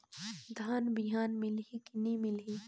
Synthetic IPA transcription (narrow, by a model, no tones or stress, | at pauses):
d̪ʱaːnbɪɦaːnmɪlɦikɪnimɪlɦi